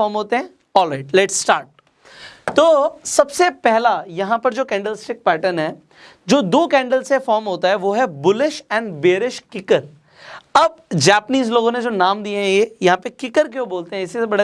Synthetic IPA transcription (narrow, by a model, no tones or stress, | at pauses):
ɔːɾmɦoːt̪eɦɛ̃ | ɔːlɾaɪʈlɛʈsʈaːɾʈ̚ | t̪oːsɐbsepɛɦlajɐɦãpɐɾd͡ʒoːkɛ̃ːɳɖəlɪsʈɪk̚pɛːʈənɦɛː | d͡ʒoːd̪oːkɛ̃ːɳɖəlsɛfɔːɾmɦoːt̪aɦɛʋoːɦɛbʊlɪʃɛ̃ːɳɖbeːɾɪʃkɪkəɾ | ɐb̚d͡ʒɛːpəniːzloːɡõned͡ʒoːnaːmd̪ieɦɛ̃jejɐɦãpekɪkəɾkeoboːlt̪eɦɛ̃ɪsisebɐɽa